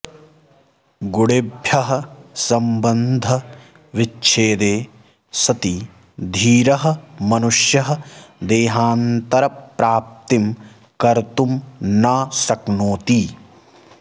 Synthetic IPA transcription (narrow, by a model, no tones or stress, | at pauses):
ɡuɽebʱjɐɦɐ̆sɐmbɐnd̪ʱɐ | ʋit͡ʃːt͡ʃʰeːd̪eː | sɐt̪i | d̪ʱiːɾɐɦɐ̆mɐnuʂjɐɦɐd̪eːɦaːnt̪ɐɾɐpɾaːp̚t̪im | kɐɾt̪umnaːsɐknoːt̪iː